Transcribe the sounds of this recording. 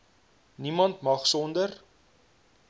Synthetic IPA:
nimɐntmɐχsɔndər

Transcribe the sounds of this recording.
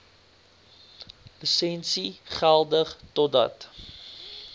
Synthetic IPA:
lisɛnsiχælˠdəχtɔt̚dɐ̰t

